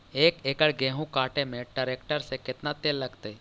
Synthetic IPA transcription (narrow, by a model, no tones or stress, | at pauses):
eːkeːkəɽɡeːɦũkaːʈemẽɖəɾeːkʈəɾsekɪt̪nat̪eːlːɐɡt̪e